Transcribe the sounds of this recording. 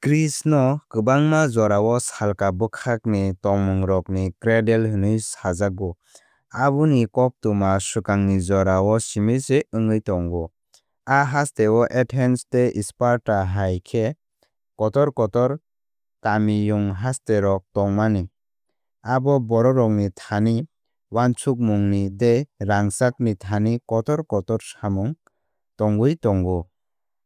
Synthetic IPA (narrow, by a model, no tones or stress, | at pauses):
kɾisnɔkɯbaŋmazɔɾawɔsalkabɯkʰak̚nitɔŋmɯŋɾɔknikɾedelhɯnɯjsazaɡɔ | abɯnikɔp̚tumasɯkaŋnizɔɾawɔsimiseɯŋɯjtɔŋɡɔ | aɦastewɔʔetʰensteʔispaɾtaɦajkʰe | kɔtɔɾkɔtɔɾ | kamijuŋɦasteɾɔk̚tɔŋmani | abɔbɔɾɔɾɔk̚nitʰani | want͡ʃʰuk̚muŋnideɾaŋsak̚nitʰanikɔtɔɾkɔtɔɾsamɯŋ | tɔŋɡɯjtɔŋɡɔ